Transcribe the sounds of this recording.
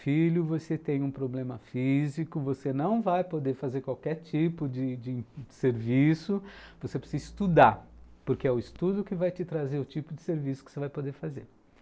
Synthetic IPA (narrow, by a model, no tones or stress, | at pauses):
filʊvoset̪ẽj̃ũpɾoblẽmɐfizikʊvosenɐ̃w̃vajpod̪eɾfazeɾkwawkɛɾt͡ʃipʊd͡ʒɪd͡ʒɪseɾvisʊvosepɾe̥sizɪst̪ud̪apoɾkeɛʊɪst̪ud̪ʊkɪvajt͡ʃɪt̪ɾazeɾʊt͡ʃipʊd͡ʒɪseɾvisʊkɪ̥sevajpod̪eɾfazeɾ